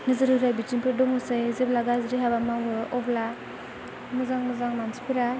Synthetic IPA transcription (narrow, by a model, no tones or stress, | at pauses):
nɯzɯɾɯɾajbit͡ʃinpʰɯɾdɔŋusajzeblaɡazɾiɦabamawɔbla | muzaŋmuzaŋmansi̥pʰɯɾa